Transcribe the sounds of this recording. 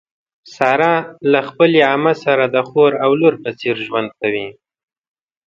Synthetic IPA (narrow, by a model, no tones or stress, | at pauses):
sɑɾɑlaxpəleɑməsaɾad̪əxoɾawloɾpət͡seɾʒwand̪̚kawi